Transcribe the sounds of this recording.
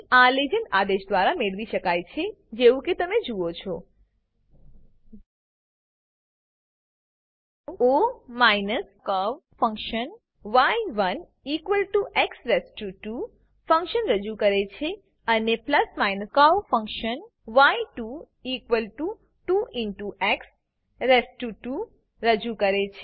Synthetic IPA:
aled͡ʒənad̪eʃd̪ʋaɾameɭʋiʃəkajt͡ʃʰed͡ʒeʋũket̪əmed͡ʒuot͡ʃʰɔ | omajnəskaʋfə̃ŋkʃən | ʋajʋən | ikʋəlʈuʔɛksɾesʈuʈu | fə̃ŋkʃənɾəd͡ʒukəɾet͡ʃʰe | ənepləsmajnəskaʋfə̃ŋkʃən | ʋaiʈu | ikʋəlʈu | ʈuiɳʈuʔɛks | ɾesʈuʈu | ɾəd͡ʒukəɾet͡ʃʰe

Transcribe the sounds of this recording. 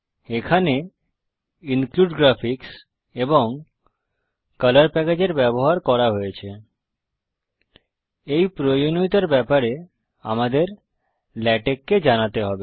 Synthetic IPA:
ekʰane | iŋkluɖɡɾafʰiks | eboŋ | kʌlaɾpɛked͡ʑeɾbɛboɦaɾkɔɾaɦojet͡ɕʰe | ejpɾoonoit̪aɾbɛpaɾe | a̰mad̪eɾ | lɛʈekːed͡ʑanat̪eɦɔbe

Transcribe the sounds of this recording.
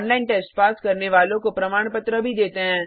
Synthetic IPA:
nlaːɪnʈɛːsʈpaːskɐɾneʋaːlõkopɾɐmaːɽ̃pət̪ɾəbʱid̪eːt̪eɦɛ̃ː

